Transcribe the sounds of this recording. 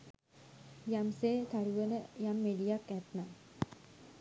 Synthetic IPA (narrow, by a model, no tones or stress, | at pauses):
jamseːt̪aɾuʋənəjamːedijakæt̪na